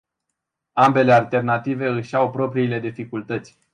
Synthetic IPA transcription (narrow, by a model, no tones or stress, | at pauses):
ambe̞le̞alt̪e̞rnat̪ive̞ɨʃawpɾo̞pɾiːle̞d̪ifikult̪ət̪sʲ